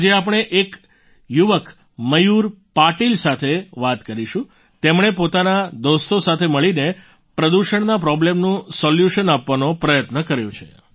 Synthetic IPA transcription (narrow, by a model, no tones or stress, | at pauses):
d͡ʒeap̬əɽ̃eʔek | juʋək | məjuɾpaʈilsat̪ʰeʋat̪kəɾiʃũ | t̪emɳ̃epot̪anad̪ost̪osat̪ʰeməɭine | pɾəd̪uʃəɳnapɾɔblemnũsɔljuʃənapʋanopɾəjət̪nəkəɾjõ̰t͡ʃʰḛ